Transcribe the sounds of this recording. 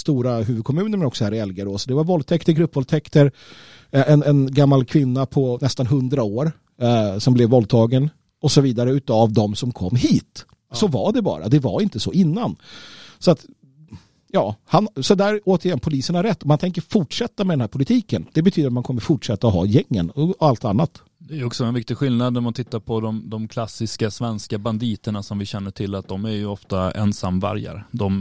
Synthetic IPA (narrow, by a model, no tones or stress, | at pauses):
st̪uːɾaɦʉ̟ːvɵd̪̚kʰɔmʉ̟ːnəɾmɛnɔksɔhæːɾɪɛlɡaɾoːsɔd̪ɛvaɾvɔlt̪ʰɛkt̪əɾɡɾɵpːvɔlt̪ʰɛkt̪əɾ | ʔɛnɛnɡamːalkʰvɪnːapʰɔnɛst̪anɦɵnd̪ɾaoːɾ | sɔmblɛvːɔlt̪ʰɑːɡən | ɔsɔviːd̪aɾəʉ̟ːt̪avd̪ɔmsɔmkʰɔmːɦiːt̪ | sɔvaɖɛbɑ̰ːɾʔa̰d̪ɛva̰ɾɪnt̪əsɔɪnːansɔat̪ | jɑːhansɔd̪æɾoːt̪əɾjɛnːpʰʊliːsəɳhaɾːɛt̪ːɔmant̪ʰɛŋk̬əɾfʊʈʂɛt̪ːamɛd̪ɛnhæːɾpʰʊlɪt̪ʰiːkənd̪̥ɛbɛt̪ʰyːd̪ɾt̪mankʰɔmːəɾfʊʈʂɛt̪ːaɔɦɑ̰ːjɛŋːə̰nɔalt̪anːat̪ | d̪ɛæjɔksɔɛnvɪk̚t̪ɪɡɧɪlnad̪̚næmant̪ʰɪt̪ːaɾpʰɔd̪ɔmd̪ɔmkʰlasɪskasvɛnskaband̪iːt̪əɳasɔmvɪɕɛnːəʈʰɪlːat̪̚d̪ɔmæɾjɵɔft̪aɛ̰nsamːvæ̰ɾja̰ɾd̪ɔm